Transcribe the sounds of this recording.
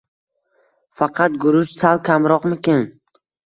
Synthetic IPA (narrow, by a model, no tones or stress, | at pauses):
fɑqʰɑt̪̚ɡʊɾʊʃsalˠkʲʰamɾɒqmɪkʲɪn